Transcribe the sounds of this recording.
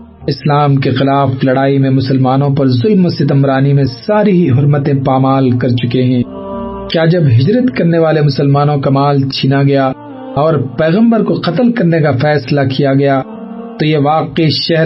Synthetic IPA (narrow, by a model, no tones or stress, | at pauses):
ɪslaːmkexɪlaːflɐɽaːimẽmʊsəlmaːnõpɐɾzʊlmoset̪ɐmɾaːnimẽsaːɾiɦiɦʊɾmət̪ẽpaːmaːlkɐɾt͡ʃʊkeɦɛ̃ː | kjaːd͡ʒɐbɦɪd͡ʒɾət̪kɐɾneʋaːlemʊsəlmaːnõkamaːlt͡ʃʰiːnaɡɐja | ɔːɾpɛːɣə̃mbəɾkoqɐt̪əlkɐɾnekafɛːslakijaɡɐja | t̪ojeʋaːqeʃɛɦ